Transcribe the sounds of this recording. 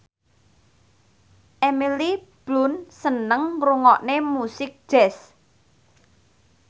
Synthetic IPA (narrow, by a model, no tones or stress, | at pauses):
ʔemilib̥lʊnsənəŋruŋɔʔnemusɪk̚d̥ʒ̥ɛs